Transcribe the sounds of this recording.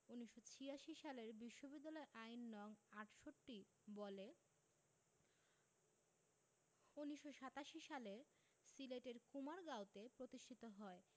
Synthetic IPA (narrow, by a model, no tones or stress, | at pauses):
uniʃːot͡ɕʰiaʃiʃaleɾbiʃːobid̪ːalɔeʔainːɔŋaʈʃoʈːi | bɔle | unːiʃːoʃat̪aʃiʃaleɾ | sileʈeɾkumaɾɡawt̪epɾot̪iʃʈʰit̪oɦɔe